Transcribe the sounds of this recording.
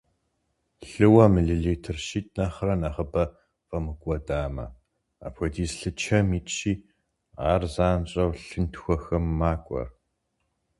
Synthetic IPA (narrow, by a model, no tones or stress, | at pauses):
ɬɨwɐmɨɮɨɮitʰɨrʃiːtʼnɐχrɐnɐʁəbɐ | fʼɐmɨkʷʼɔdaːmɐ̰ | a̰pʰʷɔdiːsɬɨt͡ʃʰɐmiːtʼɕiː | aːrzaːnɕʼɐwɬɨntxʷɔxɐmːaːkʷʼɔ̰r